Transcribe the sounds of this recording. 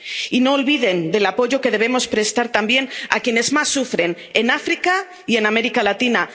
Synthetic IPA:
ino̞ːlβiðe̞nd̪e̞lapo̞ʝo̞ke̞ð̞e̞βe̞mo̞spɾe̞st̪aɾt̪ambje̞na̰kje̞ne̞zmasːufɾe̞n | e̞nafɾika | ie̞name̞ɾikalat̪ina

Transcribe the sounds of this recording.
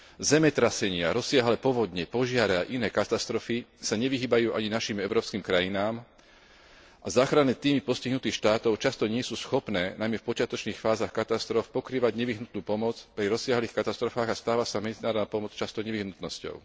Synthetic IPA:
zɛmɛt̪ɾasɛɲɪaɾɔsɪaɦlɛpɔʋɔd̪ɲɛpɔʒɪaɾɛaʔinɛːkat̪ast̪ɾɔfisaɲɛʋiɦiːbajuːʔaɲinaʃiːmɛʊɾɔːpskiːmkɾajinaːm | ʔazaːxɾanɛːt̪iːmipɔsciɦnut̪iːxʃt̪aːt̪ɔʊt͡ʃast̪ɔɲɪɛsuːsxɔpnɛːnajmɛfpɔt͡ʃɪat̪ɔt͡ʃniːxfaːzaxkat̪ast̪ɾɔfpɔkɾiːʋaɟɲɛʋiɦnut̪nuːpɔmɔt͡spɾiɾɔsɪaɦliːxkat̪ast̪ɾɔfaːɣast̪aːʋasamɛd͡zinaːɾɔd̪napɔmɔt͡st͡ʃast̪ɔɲɛʋiɦnut̪nɔscɔ̰ʊ

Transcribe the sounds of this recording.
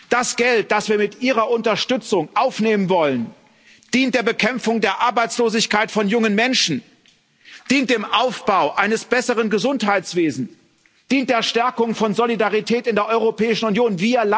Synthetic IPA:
d̥asɡ̥ɛlt̚d̥asv̥iːɐmɪtʔiːʁɐʔʊntɐʃtʏt͡sʊŋʔaʊfneːmənvɔlən | d̥iːnt̚d̥eːɐbəkʰɛmp͡fʊŋdeːɐʔaɐbaɪt͡sloːzɪçkaɪtfɔnjʊŋənmɛnʃn̩ | d̥iːnt̚d̥eːmʔaʊfb̥aʊʔaɪnəsb̥ɛsəʁənɡəzʊnthaɪt͡sv̥eːzn̩ | d̥iːnt̚d̥eːɐʃtɛɐkʊŋfɔnzolidaʁitʰɛːtɪndeːɐʔɔʏʁopɛːɪʃn̩ʊnjoːnviːɐl

